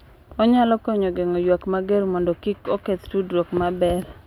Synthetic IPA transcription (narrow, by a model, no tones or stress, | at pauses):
ɔɲalɔkɔɲɔɡeŋɔjwakmaɡeɾmɔndɔkikoket̪tudɾɔkmabɛr